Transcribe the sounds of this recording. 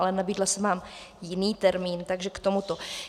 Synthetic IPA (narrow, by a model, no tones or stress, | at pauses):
lɛnabiːdlasɛvaːmjɪniːt̪ɛɾmiːnt̪aɡʒɛkt̪o̞mut̪o